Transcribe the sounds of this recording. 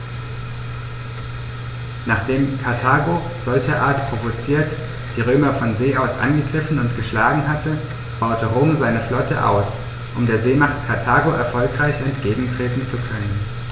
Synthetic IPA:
naːχd̥eːmkʰaɐtʰaːɡo | z̥ɔlçɐʔaːɐtpʁ̥ovot͡siːɐt | d̥iːʁ̞øːmɐfɔnzeːʔaʊsʔa̰nɡəɡʁɪfn̩ʊntɡ̥əʃlaːɡŋ̩ɦatʰə | b̥aʊtəʁʊmzaɪnəflɔtə̰ʔa̰ʊs | ʔʊmdeːɐzeːmaχtkʰaɐtʰaːɡoʔɛɐfɔlkʁ̥aɪçɛntɡ̥eːɡŋ̩tʁ̥eːtn̩t͡sukʰœnən

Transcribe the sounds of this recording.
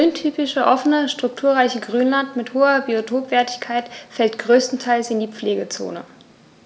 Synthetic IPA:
ʏntʰyːpɪʃəʔɔfənəʃtʁ̥ʊk̚tʰuːɐʁaɪçəɡʁyːnlantmɪthoːɐbiotʰoːpv̥ɛːɐtɪçkʰaɪtfɛltɡ̥ʁøːstn̩tʰaɪlsɪndiːp͡fleːɡət͡so̰ːnə̰

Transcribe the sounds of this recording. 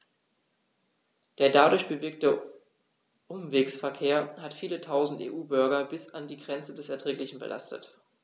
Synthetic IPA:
d̥eːɐdadʊɐçb̥əveɪk̚tə | ʔʊmveːksfɛɐkʰeːɐhatfiːlətʰaʊzn̩tḛːʔuːbʏɐɡɐbɪsandiːɡʁɛnt͡sədɛsɛɐtʁ̥ɛːklɪçn̩bə̰lʔa̰stə̰t

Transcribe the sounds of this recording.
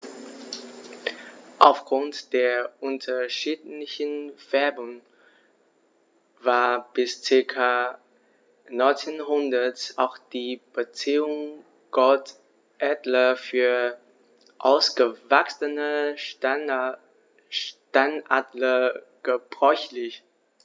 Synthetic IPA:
ʔaʊfɡ̥ʁʊntd̥eːɐʔʊntʰɐʃiːtlɪçənv̥ɛɐbʊŋ | vaːɐb̥ɪst͡sɪɐkʰa | nɔʏnt͡senɦʊndɐtʔa̰ʊxd̥iːb̥ət͡siːʊŋ | ɡ̥ɔlt | ʔɛdlɐfyːɐ | ʔaʊsɡ̥əvaksənə | tanadlə | ɡ̥əb̥ʁɔʏçlɪç

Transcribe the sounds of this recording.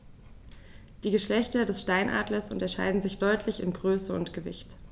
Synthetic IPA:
d̥iːɡəʃlɛçtɐdɛsʃtaɪnʔa̰ːdlɐsʔʊntɐʃa̰ɪdn̩zɪçd̥ɔʏtʰlɪçɪnɡʁøːsəʊntɡ̥əvɪ̰çt

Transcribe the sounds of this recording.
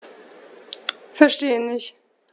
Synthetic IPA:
fɛɐʃteːənɪçt

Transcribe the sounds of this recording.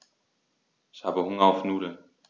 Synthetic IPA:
ɪçhaːbəhʊŋɐaʊfnuːdl̩

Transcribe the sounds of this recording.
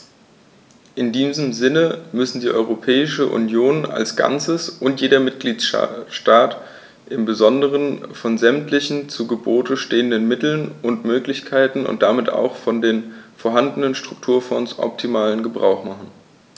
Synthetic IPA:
ʔɪndiːzəmzɪnəmʏsn̩diːʔɔʏʁ̞opʰɛːɪʃəʔṵnjoːna̰lsɡ̥a̰nt͡səsʔʊntjeːɾɐmɪt̚ɡ̥liːtʃtaːt | ʔɪmbəzɔndəʁ̞ənfɔnzɛmtlɪçn̩t͡suɡəboːtəʃteːəndənmɪtl̩nʊntmøːklɪçkʰaɪtn̩ʊ̰ntd̥amɪta̰ʊxfɔndeːnfoɐɦandnənʃtʁ̥ʊk̚tʰuːɐfɔnsʔɔ̰p̚tʰimaːlənɡəbʁa̰ʊxmaχn̩

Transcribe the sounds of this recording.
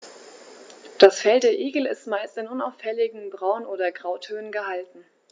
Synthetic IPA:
d̥asfɛltdeːɐʔeːɡl̩ɪstmaɪstɪnʔʊnaʊfɛlɪɡŋ̩bʁaʊnʔoːdɐɡʁaʊtʰøːnənɡəɦaltn̩

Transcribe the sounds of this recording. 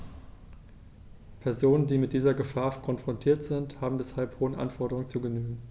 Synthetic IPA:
pʰɛɐzoːnəndiːmɪt̚d̥iːzɐɡəfaːɐkʰɔnfʁ̥ɔntʰiːɐtz̥ɪnthaːbm̩vɛshalphoːənʔa̰nfɔɐɾəʁ̞ʊŋt͡suɡənyːɡŋ̩

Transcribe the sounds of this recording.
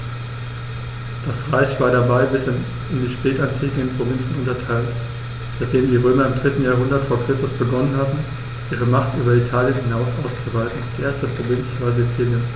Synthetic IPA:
d̥asʁaɪçv̥aːɐɾabaɪbɪsɪn | ɪndiːʃpɛːtantʰiːkŋ̩ənpʁ̥ovɪnt͡sn̩ʊntɐtʰaɪlt | tat̚d̥eːməmndiːʁøːmɐɪmdʁɪtn̩jaːɐɦʊndɐtfoːɐkʁ̥ɪstʊsb̥əɡɔnənhatn̩ | ʔiːʁ̞əmaχtʔyːbɐitʰaːljənhɪnaʊsʔaʊst͡suvaltn̩d̥iːʔeːɐstəpʁ̥ovɪnt͡sv̥aːɐzit͡siːljən

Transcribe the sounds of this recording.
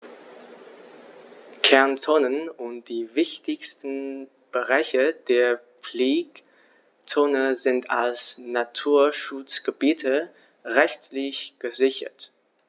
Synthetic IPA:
kʰɛɐnt͡soːnənʊnt̚d̥iːvɪçtɪçstn̩ | b̥əʁaɪçəd̥eːɐ | p͡fliːk | t͡soːnəzɪntalsnatʰuːɐʃʊt͡sɡ̥əbiːtʰə | ʁɛçtlɪçɡ̥əzɪçɐ̰t

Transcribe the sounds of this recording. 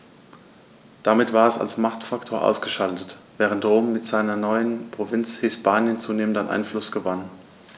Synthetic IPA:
d̥amɪtv̥aːɐɛsa̰lsmaχtfaktʰoːɐʔa̰ʊsɡ̥əʃaltətv̥ɛːʁ̞əntʁoːmːɪtz̥aɪnɐnɔʏənpʁ̥ovɪnt͡shɪspaːnjənt͡suːneːməntanʔa̰ɪnflʊsɡ̥əvan

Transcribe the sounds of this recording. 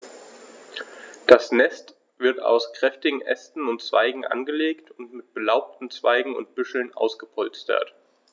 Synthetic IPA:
d̥asnɛst | v̥ɪɐta̰ʊskʁ̥ɛftɪɡŋ̩ʔɛstn̩ʊntt͡sv̥a̰ɪɡŋ̩ʔa̰nɡəleːktʰʊntmɪt̚b̥əlaʊp̚tn̩t͡sv̥aɪɡŋ̩ʊ̰nt̚b̥ʏʃl̩nʔa̰ʊsɡ̥əpʰɔlt͡stɐ̰t

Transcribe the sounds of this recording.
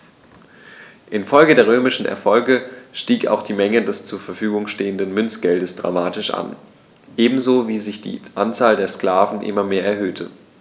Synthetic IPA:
ʔɪnfɔlɡədeːɐʁ̞øːmɪʃn̩ʔɛ̰ɐfɔlɡəʃtiːka̰ʊxd̥iːmɛŋədɛst͡suːɐfɛɐfyːɡʊŋʃteːəndənmʏnt͡sɡ̥ɛldəsd̥ʁa̰maːtɪʃʔa̰n | ʔeːbm̩zoːviːzɪçd̥ḭːʔant͡saːldeːɐskl̥aːvn̩ʔɪ̰mɐmeːɐɛɐɦøːtʰə

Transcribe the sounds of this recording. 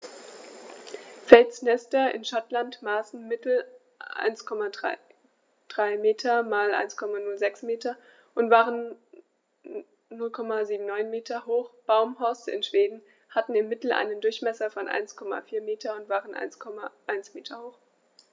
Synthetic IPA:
fɛlsnɛstɐʔɪ̰nʃatlantmaːsn̩mɪtl̩ | ʔa̰ɪnskʰɔma | d̥ʁaɪmeːtʰɐmaːlʔa̰ɪnskʰɔmanʊlzɛksmeːtɐ | ʔʊntv̥aːʁən | nʊlkʰɔmaziːbm̩nɔʏnmeːtɐɦoːχb̥aʊmɦɔɐsɪ̰nʃv̥eːdn̩ | hatn̩ɪmːɪtl̩ʔa̰ɪnəndʊɐçmɛsɐfɔnʔa̰ɪnskʰɔma̰fiːɐmeːtʰɐʊntv̥aːʁənʔa̰ɪnskʰɔmaʔaɪnsmeːtʰɐhoːχ

